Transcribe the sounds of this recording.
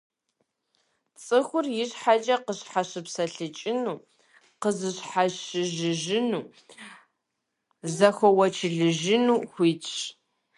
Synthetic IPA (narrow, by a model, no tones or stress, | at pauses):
t͡sʼɨxʷʊrjɪɕħat͡ʃʼɐqəɕħaɕɨpsɐɬɨt͡ʃʼɪnuː | qəzɨɕħaɕɨʒɨʒɪnuː | zɐxʷɔwɐt͡ʃʰɪɮɨʒɪnuːxʷiːt͡ʃʼ